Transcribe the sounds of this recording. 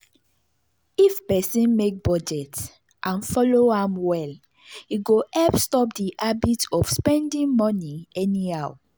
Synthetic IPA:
ifpɛsĩnmek̚bɔd͡ʒɛts | ʔãnfɔloãmwɛl | iɡoʔɛpstɔpdiʔabitɔfspɛ̃ndĩŋmɔniɛniaw

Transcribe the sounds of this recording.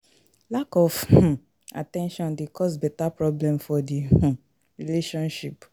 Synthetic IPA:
lakɔfhũ | a̰tɛ̃nʃɔ̃ndekʰɔs̬bɛtapɹɔblɛ̃mfɔdih̩ | ɹileʃɔ̃nʃip

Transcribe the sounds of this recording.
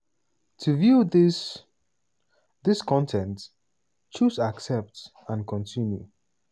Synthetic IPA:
tʰuvjuðɪs | ðɪskʰɔ̃ntʰɛ̃nt | t͡ʃusaksɛp̚t | ə̃nkʰɔ̃ntʰĩnjṵ

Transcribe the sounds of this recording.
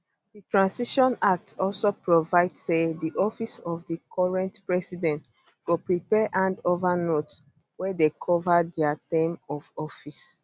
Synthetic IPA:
ditɹãnsiʃɔ̃nak̚tɔlsopɹovaɪdsediʔɔfisɔfdikʰɔɹɛ̃ntpɹɛsidɛ̃nt | ɡ̥opɹipɛʔãndovanot | wɛdekʰɔvadɛatẽmɔvɔfis

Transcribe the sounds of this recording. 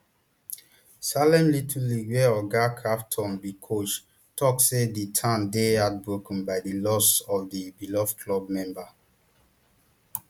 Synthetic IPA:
salɛ̃mlitʰuliɡwɛɔɡakʰaftʰɔ̃mbikʰot͡ʃ | tʰɔkseditʰãmdeat̚bɹokə̃n̩baɪdilɔsɔfdibilɔfkʰlɔb̚mɛ̃mba

